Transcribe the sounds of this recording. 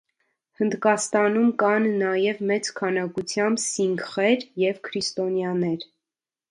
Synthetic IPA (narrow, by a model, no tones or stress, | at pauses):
hənd̪kɑst̪ɑnumkɑnnɑjɛvmɛt͡skʰɑnɑkut͡sʰjɑmbsiŋkχɛɾjɛvkʰɾist̪ɔnjɑnɛɾ